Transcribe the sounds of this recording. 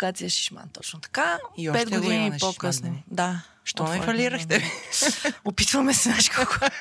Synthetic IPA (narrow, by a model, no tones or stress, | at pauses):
ɡat̪iɐʃi̥ʃma̰nt̪ɔt͡ʃnot̪ɐ̥kaiɔpɛd̪ɡ̪od̪iniːpokəsnod̪a | ʃt̪ɔnɛfɐliɾɐxt̪ɛvi | opit̪vɐmɛsɛaʃkʰɔko